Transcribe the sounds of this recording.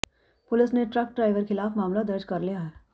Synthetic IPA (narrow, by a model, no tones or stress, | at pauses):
pʊlɪsneʈɾɐk̚ɖɾaːɪʋəɾxɪlaːfmaːmlad̪ɐɾd͡ʒkɐɾlijaɦɛː